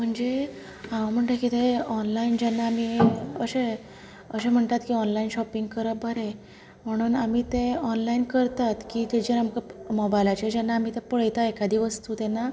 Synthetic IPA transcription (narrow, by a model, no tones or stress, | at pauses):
m̤əɳd͡ze | ɦãʋm̤əɳʈ̪akit̪eɔnlaind͡ʑɛnːaːmiːəɕe | əɕẽm̤əɳt̪at̪kiːɔnlainɕɔpiŋɡ̚kəɾəbʱəɾe | m̤əɽ̃uːnamiːt̪eɔnlainkəɾt̪at̪kiːt̪ed͡ʑəɾamkamɔbajlat͡ɕed͡ʑanːaːmiːt̪epəɭəjt̪aekad̪ʱiːʋəst̪ut̪ɛnːa